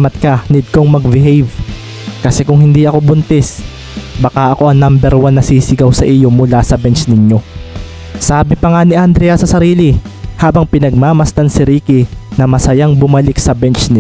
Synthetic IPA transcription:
mɐt̪̚kɐnɪd̪̚koŋmɐɡ̚bɪhɛjv | kɐsɛkʊŋhɪnd̪iʔɐko̞bʊnt̪ɛs | bɐkaʔɐko̞ʔɐŋnambɛɾwanːɐsiːsɪɡɐwsɐʔijo̞mʊlasɐbɛnt͡ʃnɪɲjo̞ | saːbɪpɐŋaniʔɐnd̪ɾɛɐsɐsɐɾiːlɪhaːbɐŋpɪnɐɡ̚maːmɐst̪ansɪɾiːkɪnɐmɐsɐjaŋbʊmɐlɪk̚sɐbɛnt͡ʃnɪ

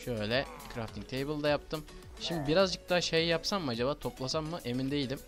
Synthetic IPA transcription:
ʃøjlʲɛ | kʰɾaft̪ʰiŋk̚t̪ʰejbɯlˠd̪ajap̚t̪ʰɯm | ʃimd̪ibiɾazd͡ʒɯk̚t̪ʰaːʃejjapsammɯad͡ʒabaːt̪ʰo̞plˠasamːɯʔe̞mind̪e̞jilʲim

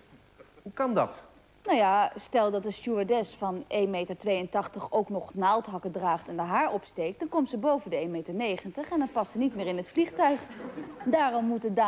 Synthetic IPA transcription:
ɦukɑndɑ̰t | nawjastɛlˠdɑtdəstuadɛsfɑnʔejmejtəɹtʋejəntɑχtəχowknɔχnaːlˠtɦɑkədraːχtɛndəɦaːɹɔpstejk̚d̥ɑnkɔmtzəbowvəndəejmejtəɹnejχəntəχɛndɑnpɑstsənitmɪːɹɪnɦətfliχtœɥχdaːrɔmːutəda

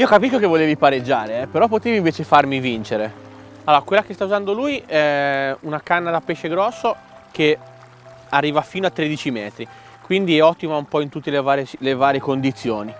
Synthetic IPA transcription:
iːokapiskokevoleːvipaɾed͡ʒːaːɾeɛpeɾɔpːot̪eːviɱveːt͡ʃefarmivint͡ʃeɾe | alːoːɾakwelːakest̪auzand̪oluːjɛunakanːad̪apeʃeɡɾɔsːo | k̟e | arːiːvafiːnoat̪ːɾed̪it͡ʃimɛːt̪ɾi | kwind̪iɛɔt̪ːimaumpɔint̪ut̪ːelevaːɾelevaːɾjekond̪it̪sːjoːni

